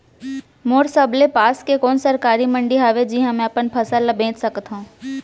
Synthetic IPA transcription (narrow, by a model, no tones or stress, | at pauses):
moːɾsɐblepaːskekɔːnsɐɾkaːɾimə̃ɳɖiɦaːʋed͡ʒiːɦãmɛ̃ɐpənpʰɐsalabʱẽːt͡ʃsɐkt̪ɦũː